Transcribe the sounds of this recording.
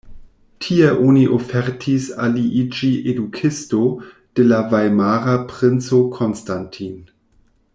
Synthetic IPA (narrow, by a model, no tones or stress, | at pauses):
tʰieʔoniʔofeɾtʰisaliʔid͡ʒiʔedukʰisto | d̥elavajmaɾapʁɪnt͡sokʰonstantʰin